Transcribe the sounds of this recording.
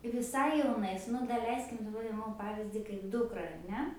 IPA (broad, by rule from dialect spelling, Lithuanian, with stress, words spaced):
ʋʲɪˈsɐɪ jɛʊˈnɐɪs nʊ dɐˈlʲɛɪsʲkʲɪm dɐˈbɐr ˈɪmɐm ˈpɑːʋʲiːzʲdʲiː kɐɪp ˈdʊkrɐ ɐr ˈnʲɛ